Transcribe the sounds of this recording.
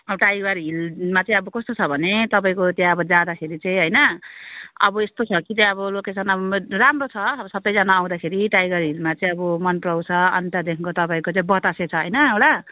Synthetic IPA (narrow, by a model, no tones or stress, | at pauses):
ʌbʌʈajɡʌɾɦilmat͡saĩʌbʌkʌst̪ot͡sʰʌbʱʌnet̪ʌp̬aĩkot̪jãʌbʌd͡zad̪akʰeɾit͡saĩɦʌjnʌ | ʌ̰bʌest̪ot͡sʰʌkit͡sãĩʌβʌlokesʌnʌbramrot͡sʰʌːbʌsʌt̪ːʌjd͡zanaːw̃d̪akʰeɾiʈajɡʌrɦilmat͡saĩʌbʌmʌnprʌwt͡sʰʌʌ̰nt̪ad̪ekʰŋkot̪ʌpaĩkot͡saĩbʌt̪aset͡sʰʌɦʌjnʌewɽa